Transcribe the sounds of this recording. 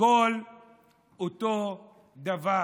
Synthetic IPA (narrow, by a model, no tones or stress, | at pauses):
ol | oto | d̪ava